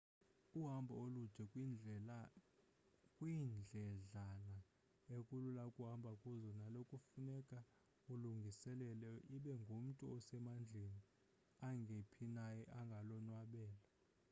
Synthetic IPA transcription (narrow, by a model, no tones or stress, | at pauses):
uɦambʱa̰olud̥ʒ̥ʱɛ | kʼwind͡ɮʱɛɮana | ekʼululakʼuɦambʱakʼuzɔnalokʼufunɛkʼa | uluŋɡʱisɛlɛlɛʔiɓɛŋɡʱum̩tʼuɔsɛmand͡ɮʱeni | aŋɡʱepʰinajɛʔaŋɡʱalɔnwaɓɛːla